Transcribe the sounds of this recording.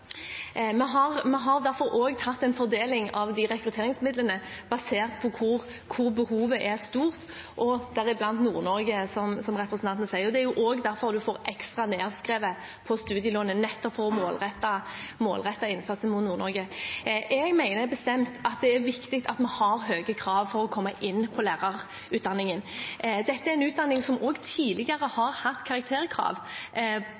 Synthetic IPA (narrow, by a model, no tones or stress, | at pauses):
mɛɦɑʁmɛɦɑɾd̪æɾfɔɾoːɡt̪ʰɑt̪ːɛnfɔɾd̪eːlɪŋɑʋd̪ɪɾɛkɾʉt̪ʰeːɾɪŋsmɪd̪lənəb̥ɑseːʁt̪pʰɔkʰʊɾ | kʰʊɾbəhuːʋəʔæɾst̪uːʁt̪ | ʔɔd̪æɾɪblɑnt̪nṵːɾnɔɾɡəsɔmsɔmʁɛpɾəsənʰɑnt̪ənəsæɪəʁd̪ɛæɾjʊʔoːɡd̪æɾfɔʁd̪ʉfoːɾʔɛkst̪ʁɑneːʁskɾeːʋə | pʰɔst̪ʉːd̪ɪjəloːnənɛt̪ːɔpfɔɾɔmoːlʁɛt̪ːɑmo̰ːlʁɛt̪ːɑɪnsɑt̪sən̩mʊt̪nuːɾnɔɾɡəʔɛɡmæɪnəbəst̪ɛmt̪ɑt̪̚d̪ɛæɾʋɪkt̪ɪk̚t̪ʰɑt̪mɛhɑɾɦøːɡəkʰɾɑːʋfɔɾɔkʰɔmːɑʔɪnːpʰɔlæːʁɑɾ | ʉːt̪d̪ɑnːɪŋənd̪ɛt̪ːəæɾɛnʉːt̪̚d̪ɑnːɪŋsɔmoːɡt̪ʰiːlɪɡɑɾəhɑɾhɑt̪ːkʰɑʁɑk̚t̪ʰeːɾəkʰɾɑ̰ːʋ